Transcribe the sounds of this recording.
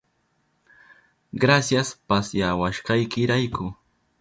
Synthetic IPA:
ɢɾasjaspasjawaʃɢɑjkɪɾajkʊ

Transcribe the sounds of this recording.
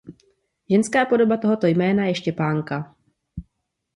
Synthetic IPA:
ʒɛnskaːpo̞do̞bat̪o̞ɦo̞t̪o̞jmɛːnajɛʃcɛpaːŋka

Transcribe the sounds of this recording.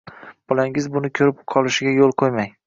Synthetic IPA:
b̥ɒlaŋɪzbʊnɪkʲʰɵɾɪp̚qʰɒlˠɪʃɪɡʲajolˠqʰojmaj

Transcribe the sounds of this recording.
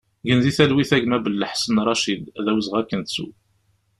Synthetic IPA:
ʝənziθælwiθæʝmæbəlːəħsənrˤɑʃid̪ðæwəzʁækːənt̪sṵ

